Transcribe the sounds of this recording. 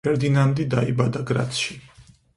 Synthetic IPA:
ɛɾd̪inand̪id̪aibad̪aɡɾa̰t̪ʃi

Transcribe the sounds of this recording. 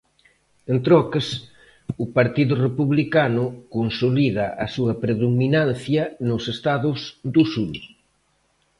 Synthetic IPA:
ent̪ɾɔkɐs | ʊpaɾt̪iðʊrepuβlikanʊkonsoliðɐʔɐsuɐpɾeðuminanθjɐnʊsest̪aðʊsd̪ʊsul

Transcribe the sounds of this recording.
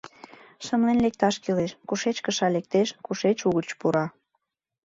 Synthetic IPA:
ʃəmlenlek̚t̪ɑʃkileʃkuʃet͡ɕkəʃɑlek̚t̪eʃkuʃet͡ɕuɣət͡ɕpuɾɑ

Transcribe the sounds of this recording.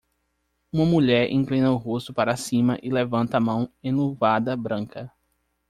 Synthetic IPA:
ũmɐmuʎɛɾʔḭ̃ŋklĩnɐʊɦost̪ʊpaɾasĩmɐʔɪlevɐ̃nt̪ɐamɐ̃w̃ẽnovad̪ɐbɾɐ̃kɐ

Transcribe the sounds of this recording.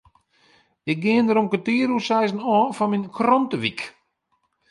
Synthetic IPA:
ɪk̚ɡɪəndəɾonkətiːəɾusɛjzənɔːfɔnminkʰrɔntəʋik

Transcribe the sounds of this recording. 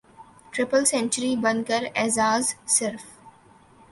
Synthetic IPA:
ʈɾɪpəlsɛ̃nt͡ʃəɾibɐ̃nkəɾɛzaːzsɪɾf

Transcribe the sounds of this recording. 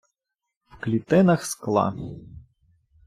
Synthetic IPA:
w̥klʲit̪ɪnɐxsklˠɑ̰

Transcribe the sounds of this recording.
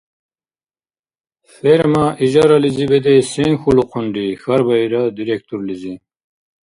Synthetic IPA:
feɾmaʔiʑaɾalizibed̪eseŋxuluqʰuɳɖixɐɾbɐiɾad̪iɾek̚t̪uɾlizi

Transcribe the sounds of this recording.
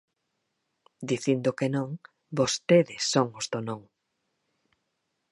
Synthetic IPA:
d̪iθind̪ʊkenõŋ | bost̪eðɪsːoŋʊzðonõŋ

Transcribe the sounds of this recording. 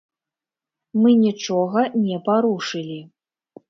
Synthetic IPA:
mɨnʲit͡ʂɔɣɐnʲɛpaɾuʂɨlʲi

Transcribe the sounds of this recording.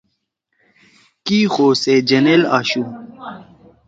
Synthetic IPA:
kiːxoːsed͡ʑɐnelaːɕu

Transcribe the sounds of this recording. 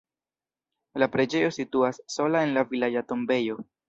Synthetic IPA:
lapɾe̞d͡ʒe̞jo̞situasːo̞lae̞nlavilajato̞mbe̞jo̞

